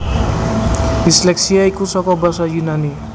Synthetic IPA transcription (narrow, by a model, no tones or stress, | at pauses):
bisleksiajkusɔkɔbʌsajunani